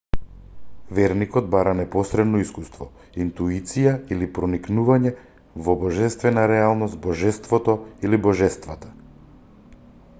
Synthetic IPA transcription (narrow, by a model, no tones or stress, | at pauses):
vɛɾnikɔd̪̚baɾanɛpɔsɾɛd̪nɔiskust̪vɔ | int̪uit̪sijailipɾɔniknuvaɲɛ | vɔbɔʒɛst̪vɛnaɾɛalˠnɔst̪bɔʒɛst̪vɔt̪ɔilibɔʒɛst̪vat̪ḁ